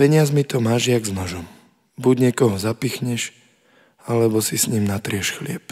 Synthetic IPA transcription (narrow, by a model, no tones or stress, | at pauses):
pɛɲɪazmit̪ɔmaːʒɪaɡznɔʒɔm | buɟɲɪɛkɔɦɔzapixɲɛʃ | alɛbɔsisɲimnat̪ɾɪɛʃxlɪɛp